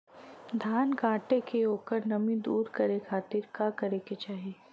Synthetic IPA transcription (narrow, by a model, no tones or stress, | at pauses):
d̪ʱaːnkãːʈekeoːkəɾnɐmĩd̪uːɾkɐɾekʰaːt̪iːɾkakɐɾeket͡ʃaːɦie